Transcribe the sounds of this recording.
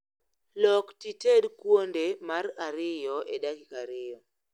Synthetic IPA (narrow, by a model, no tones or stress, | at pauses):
lɔktitedkwondemaraɾɪjɔʔedakikaɾɪjɔ